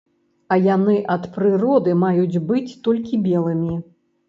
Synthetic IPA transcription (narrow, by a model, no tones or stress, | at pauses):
ɐjanɨʔɐt̪pɾɨrɔd̪ɨmajud͡zʲbɨt͡sʲt̪ɔlʲkʲibʲɛlˠɨmʲi